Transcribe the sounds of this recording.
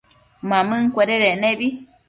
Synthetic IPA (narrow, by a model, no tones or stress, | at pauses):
mãmɨ̃ŋkʷeɾeɾenẽbi